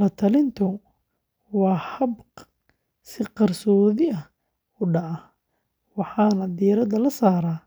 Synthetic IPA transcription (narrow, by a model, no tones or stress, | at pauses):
lɐt̪ʰɐlɪnt̪ʰʊ | wɑːhɐbq | sɪqɑrsɔːðɪʔɐ | ʊɖɐɐ | wɑħɑːnɐd̪iɾɐd̪ɐlɐsaːɾaː